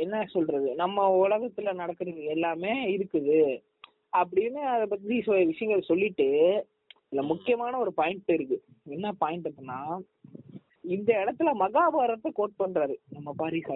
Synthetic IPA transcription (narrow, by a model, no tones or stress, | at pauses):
ɛnːɐsɔlɾɐðɯnɐmːɐʊɭɐɣɐt̪ːɯlɐnɐɽɐkːɯɾɐðɯɛlːaːmeːɪɾɯkːɯðɯ | ɐp̬ːɐɽɪnːɯɐðɐp̬ːɐt̪̬ːiðisɐjɐʋɪʂɐjɐŋɡɐɭsɔlːɪʈːɯ | ɪðɪlːɐmʊkːɪjɐmaːnɐɔɾɯpaːjɪɳʈɯɪɾɯkːɯ | ɛnːɐpaːjɪɳʈɐpːɐnːaː | ɪnd̪ɐɛɽɐt̪ːɯlmɐɣaːbaːɾɐt̪ːɐkoːʈ̚pɐɳɾaːɾɯnɐmːɐpaːɾisa